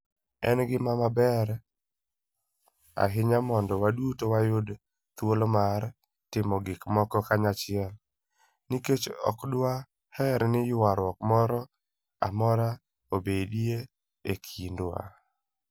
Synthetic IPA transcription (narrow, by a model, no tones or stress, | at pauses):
ɛnɡɪmamabɛɾ | a̰ɦɪɲamɔndɔwadutowajʊd | t̪wolomaɾ | tɪmɔɡɪkmɔkɔkaɲat͡ʃɪɛl | niket͡ʃɔ̰kdwa | hɛɾnɪjʊwaɾwɔkmɔɾɔ | a̰mɔɾa | obedie | ekʰinda̰